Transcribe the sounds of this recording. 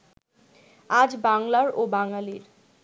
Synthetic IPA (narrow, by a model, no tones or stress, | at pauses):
ad͡ʑbaŋlaɾobaŋaliɾ